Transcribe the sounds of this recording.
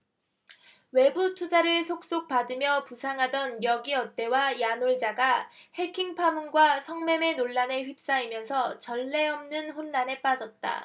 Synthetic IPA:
we̞butʰud͡ʑaɾɯɭsʰok̚s͈ok̚p͈adɯmjʌpusʰaŋɦadʌnjʌɡiʌt͈̚e̞wajanoɭd͡ʑaɡahe̞kʰiŋpʰamunɡwasʰʌŋme̞me̞noɭːane̞ɸɥip̚s͈aimjʌnsʰʌt͡ɕʌɭːe̞ʌmnɯnɸonːane̞p͈ad͡ʑʌt̚t͈a̰

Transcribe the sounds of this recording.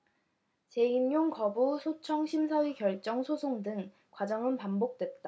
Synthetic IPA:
t͡ɕe̞injoŋkʌbusʰot͡ɕʰʌŋɕʰimsʰawikjʌɭt͡ɕ͈ʌŋsʰosʰoŋdɯŋ | kwad͡ʑʌŋɯnpambok̚t͈we̞t̚t͈a

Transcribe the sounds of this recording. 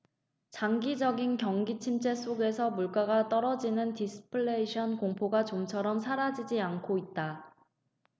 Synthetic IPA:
t͡ɕaŋɡid͡ʑʌɡinkjʌŋɡit͡ɕʰimt͡ɕ͈e̞s͈ʰoɡe̞sʰʌmuɭk͈aɡat͈ʌɾʌd͡ʑinɯntisʰɯ̥pʰɯɭːeiɕʰʌnkoŋpʰoɡat͡ɕomt͡ɕʰʌɾʌmsʰaɾad͡ʑid͡ʑiankʰoit̚t͈a

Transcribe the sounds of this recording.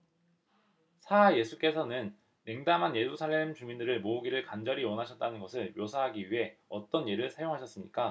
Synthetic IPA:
sʰaje̞sʰuk͈e̞sʰʌnɯn | me̞ŋdamɦanje̞ɾusʰaɭːe̞mt͡ɕumindɯɾɯɭmouɡiɾɯɭkand͡ʑʌɾiwʌnɦaɕʰʌt̚t͈anɯnɡʌsʰɯɭjosʰaɦaɡiɥiɦe̞ʌt͈ʌnje̞ɾɯɭsʰajoŋɦaɕʰʌs͈ɯmɲik͈a

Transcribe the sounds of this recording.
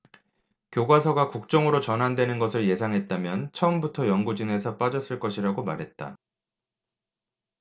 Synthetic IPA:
kjoɡwas̬ʰʌɡakuk̚t͡ɕ͈ʌŋɯɾot͡ɕʌnɦandwe̞nɯnɡʌsʰɯɭje̞sʰaŋɦe̞t̚t͈amjʌnt͡ɕʰʌɯmbutʰʌjʌnɡud͡ʑɯŋe̞sʰʌp͈ad͡ʑʌs͈ɯɭk͈ʌɕʰiɾaɡomaɾɦe̞t̚t͈a̰

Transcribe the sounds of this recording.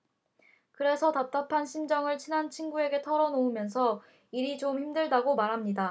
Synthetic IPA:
kɯɾe̞sʰʌtap̚t͈apʰanɕʰind͡ʑʌŋɯɭt͡ɕʰinant͡ɕʰinɡue̞ɡe̞tʰʌɾʌnoumjʌns̬ʰʌ | iɾit͡ɕomçimdɯɭdaɡomaɾɦamɲida

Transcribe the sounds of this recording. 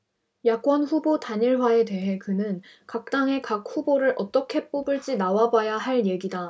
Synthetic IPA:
jak͈̚wʌnɸubotaɲiɭwae̞de̞ɦe̞kɯnɯn | kak̚t͈aŋɦe̞kak̚ɸuboɾɯɾʔʌt͈ʌkʰe̞p͈obɯɭt͡ɕ͈inawabajaɦaɭje̞ɡida

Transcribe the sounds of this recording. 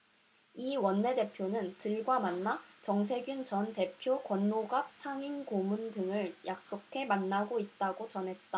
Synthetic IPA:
iwʌnːe̞de̞pʰjonɯntɯɭɡwamanːat͡ɕʌŋsʰe̞ɡjunt͡ɕʌnte̞pʰjokwʌnːoɡap̚sʰaŋinkomundɯŋɯɭjʔak̚s͈okʰe̞manːaɡoit̚t͈aɡot͡ɕʌnɦe̞t̚t͈a

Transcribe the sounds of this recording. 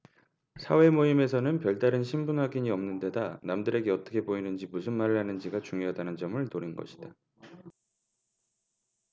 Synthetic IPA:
sʰa̰we̞moime̞sʰʌnɯnpjʌɭt͈aɾɯnɕʰimbunɦaɡiɲiʌmnɯnde̞danamdɯɾe̞ɡe̞ʌt͈ʌ̥kʰe̞boinɯnd͡ʑimusʰɯnmaɾɯɭhanɯnd͡ʑiɡat͡ɕuŋjoɦadanɯnd͡ʑʌmɯɭnoɾinɡʌ̰ɕʰi̥d̥a

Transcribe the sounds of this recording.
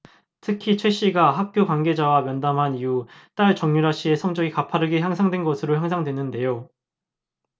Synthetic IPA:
tʰɯkʰit͡ɕʰwe̞ɕ͈iɡaɦak̚k͈jokwaŋɡe̞d͡ʑawamjʌndamɦaniut͈aɭt͡ɕʌŋɲuɾaɕ͈ie̞sʰʌŋd͡ʑʌɡikapʰaɾɯɡeçjaŋsʰaŋdwenɡʌsʰɯɾoçjaŋsʰaŋdwe̞nɯnde̞jo

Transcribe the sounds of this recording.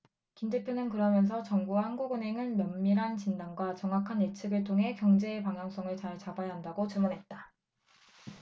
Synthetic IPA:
kindepʰjonɯnkɯɾʌmjʌns̬ʰʌt͡ɕʌŋbuahanɡuɡɯnɦe̞ŋɯnmjʌmːiɾɦant͡ɕindanɡwat͡ɕʌŋɦakʰanet͡ɕʰɯɡɯɭtʰoŋɦe̞kjʌŋd͡ʑe̞ːpaŋɦjʌŋs͈ʌŋɯɭt͡ɕaɭt͡ɕabajaɦandaɡot͡ɕɯmunɦe̞t̚t͈a

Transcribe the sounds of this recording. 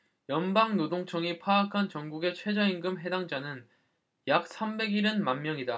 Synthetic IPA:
jʌnbaŋnodoŋt͡ɕʰʌŋipʰaːkʰant͡ɕʌŋɡuɡe̞t͡ɕʰwe̞d͡ʑʌiŋɡɯmɦe̞daŋd͡ʑanɯn | jak̚s͈ʰambe̞ɡiɾɯnmanmjʌŋida

